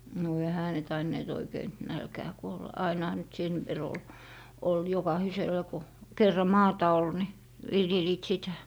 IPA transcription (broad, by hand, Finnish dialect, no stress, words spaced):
no ehæ ne tɑinːeːt oikein̆ nælkæː kuolːɑ ɑinɑhɑ nyt sen ʋer ol ol jokɑhiselˑɑ ko kerːɑ mɑːtɑ ol ni ʋiljeliːt sitæ